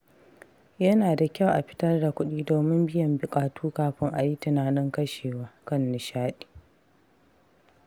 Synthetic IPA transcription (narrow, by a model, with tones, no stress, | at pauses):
jɐ˦naː˨da˨kʲa˦˨wʔa˨ɸɪ̥˦tɐ˦rda˨kʷʊ˦ɗiː˦doː˨mɪ˦mbɪ˦jɐ˨mbʊ˨kʼaː˨tuː˦kaː˦ɸɪ˦ŋʔa˨ji˦tɪ˨naː˨nɪ˦ŋkɐ˦ʃeː˨waː˦kɐ˦˨nːɪ˨ʃaː˦ɗi̥ː˨